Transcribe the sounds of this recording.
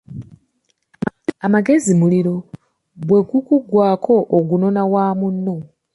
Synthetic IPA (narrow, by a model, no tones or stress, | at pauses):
amaɡe̞zimuliɾo̞ | bwe̞ɡukuɡwaːkʰo̞ʔoɡuno̞nawaːmunːo̞